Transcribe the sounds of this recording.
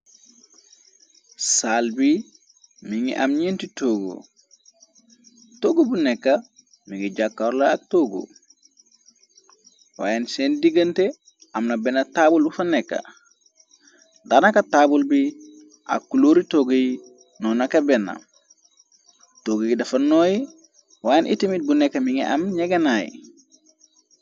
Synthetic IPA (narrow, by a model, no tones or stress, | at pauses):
salbi | miŋḭʔa̰mɲintitoɡo̰ | toɡobunɛkːa | miŋiɟakːaɾlaak̚toːɡo̰ | wa̰ːjensendiɡɐnte | amnabenːataːbulbufanekːa̰ | danakataːbulbi | ʔa̰kːuloːɾitoɡoji | nonakabenːa̰ | toɡojidɐfanoːji | waːjenʔitimit̚bunekːamiŋḛʔa̰mɲeɡenajḭ